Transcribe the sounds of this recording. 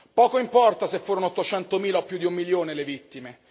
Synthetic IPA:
pɔːkoimpɔrt̪asefːuːɾonoot̪ːot͡ʃɛnt̪omiːlaopːjud̪iumːiljoːnelevit̪ːime

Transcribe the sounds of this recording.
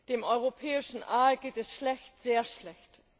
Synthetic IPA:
d̥eːmʔɔʏʁ̞opʰɛːɪʃn̩ʔaːlɡeːtɛsʃlɛçtz̥eːɐʃlɛçt

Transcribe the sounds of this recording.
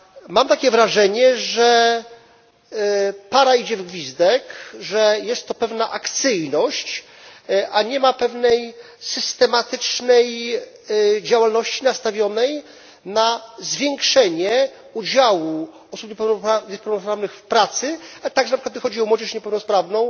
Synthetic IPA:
mamt̪akʲɛvɾaʐɛɲɛʐɛ | paɾaid͡ʑɛvɡvʲizd̪ɛkʐɛjɛst̪ːɔpɛvnaʔakt̪sɘjnɔɕt͡ɕ | ʔaɲɛmapɛvnɛj | sɘst̪ɛmat̪ɘt͡ʂnɛj | d͡ʑawalnɔɕt͡ɕinast̪avʲjɔnɛj | nazvʲjɛŋkʂɛɲɛ | ud͡ʑawu | ɔsupɲɛpɛwnaɲɛpɛwnɔspɾavnɘxfpɾat̪sɘalɛt̪aɡʐɛnapʂɨkwat̪vəxɔd͡ʑiɔmwɔd͡ʑɛʂɲɛpɛwnɔspɾavnɔ̃w̃

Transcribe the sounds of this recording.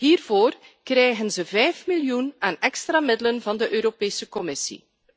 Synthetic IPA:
ɦiːrvoːrkrɛjɣənzəvɛjfmiljunaːnɛkst̪raːmɪdələnvɑndəʔøːɾopeːsəkɔmɪsḭ

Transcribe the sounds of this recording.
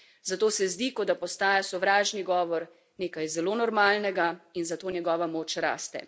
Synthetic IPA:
zat̪oːsɛzd̪ikɔd̪apɔst̪aːjasɔʋɾaːʒniɡɔːʋɔɾ | neːkajzɛloːnɔɾmaːlnɛɡainzat̪oːnʲjɛɡɔːʋamoːt͡ʃɾa̰ːst̪ɛ̰

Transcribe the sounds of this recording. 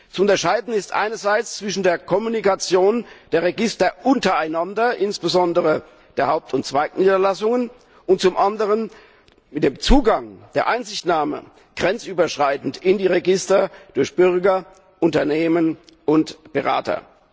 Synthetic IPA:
t͡suʊntɐʃaɪdn̩ɪstʔa̰ɪnɐzaɪt͡st͡sv̥ɪʃn̩deːɐkʰɔmunikat͡sjoːnd̥eːɐʁeɡɪstɐʔʊntɐaɪnandɐʔɪnsb̥əzɔndəʁə | d̥eːɐhaʊp̚tʰʊntt͡sv̥aɪkniːdɐlasʊŋən | ʊnt̚t͡sʊmʔandəʁən | mɪt̚d̥eːmt͡suːɡaŋd̥eːɐʔaɪnzɪçtnaːmə̰ | ɡ̥ʁɛnt͡sʔyːbɐʃʁ̥aɪtn̩tɪndiːʁeɡɪstɐd̥ʊɐçb̥ʏʁɡɐ | ʔʊntɐneːmənʔʊntb̥əʁa̰ːtʰɐ̰

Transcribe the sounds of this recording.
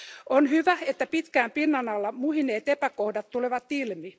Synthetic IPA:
onhyʋæet̪ːæpit̪kæːmpinːɑnɑlːɑmuhineːt̪epækohdɑt̪tuleʋɑt̪ilmi

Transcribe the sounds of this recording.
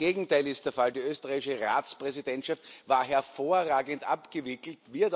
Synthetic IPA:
eːɡŋ̩taɪlɪst̚d̥eːɐfaldiːøːstəʁaɪɪʃəʁa̰ːt͡spʁ̥ɛzidɛntʃaftvaːɐɦɛɐfoːɐʁaːɡəntʔa̰pɡ̥əvɪkl̩tviɐd

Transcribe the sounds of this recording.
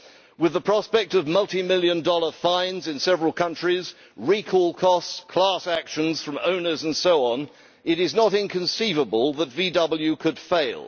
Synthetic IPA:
wɨðəpʰɹ̥ɑspɛk̚tʌvmʌlˠtimɪlˠjɨ̃ndɔlˠə˞fãɪ̃nzɨ̃nsɛvɹəl̩ˠkʰʌ̃nt͡ʃɹ̥iz | ɹikʰɔlˠkʰɔstskʰl̥ɑsækʃɨ̃nz̥fɹʌ̃mõʊ̃nə˞zə̃n̩soʊə̃n | ɪɾɪznəɾɪ̃nkʰɨ̃nsivəbəlˠðətvidʌbl̩ˠjʉkʰɨd̥feɪlˠ

